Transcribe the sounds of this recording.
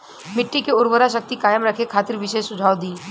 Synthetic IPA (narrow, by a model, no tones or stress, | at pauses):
mɪʈːikeʊɾwəɾaʃək̚t̪ikaːjəmɾɐkʰekʰaːt̪ɪɾʋɪʃesʊd͡ʒʱaːwd̪iː